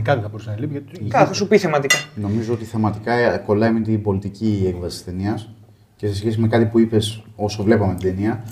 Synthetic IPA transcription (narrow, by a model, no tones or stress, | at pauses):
kɐt̪eθɐboɾisenɐlipʝɐt̪kɐθɐsupiθemɐt̪ikɐno̞mizoo̞t̪iθemɐt̪ikɐko̞lɐimint̪ibo̞lit̪iciekvɐsi̥st̪e̞niɐs | ce̞se̞sçe̞s̬ime̞kɐt̪ipuipe̞so̞sovle̞pɐme̞t̪id̪e̞niɐ